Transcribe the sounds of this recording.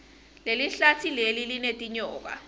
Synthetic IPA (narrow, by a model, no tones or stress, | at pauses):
leliɬatʰilelilinetʼiɲɔːk̬a̰